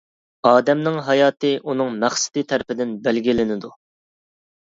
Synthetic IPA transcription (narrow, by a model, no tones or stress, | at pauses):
ɑːd̪ɛmnɪŋɦɑjɑːt̪ɨʔunɨŋmæχsɪ̥d̪̥it̪ʰæɾpɪd̪ɪnbælɡʲilɪnɪd̪u